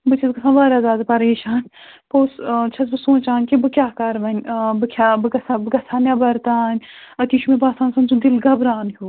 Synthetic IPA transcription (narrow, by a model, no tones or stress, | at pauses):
bɨt͡ʃʰɐzɡɐsʰãːnʋaːɾaːzaːd̪pɐɾeːʃaːnʲpoːst͡ʃʰɐzbɨsũːt͡ʃaːnʲkibɨkʲaːkɐɾʋɐnʲbɨkʰʲaːbɨɡɐsabɨɡɐsʰaːnʲjabɐɾt̪aːnʲɐt̪iːʃʰumẽbaːsaːnsɐnzud̪ilɡɐbɾaːnɦʲuː